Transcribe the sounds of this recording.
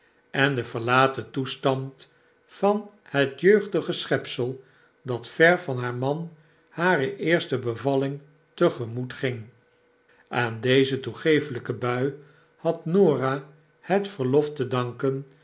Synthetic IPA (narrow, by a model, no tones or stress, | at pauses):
ɛndəvəɹlaːtətustɑnt | fɑn | hətjøɥχdəχəsχɛpsəlˠ | dɑtfɛɹvɑnɦaːɹmɑn | haːɾəʔɪːɹstəbəvɑlɪŋ | təχəmutχɪŋ | ʔaːndejzətuχejfələkəbœɥ | hɑtnoːra | hətfəɹlɔftədɑŋkən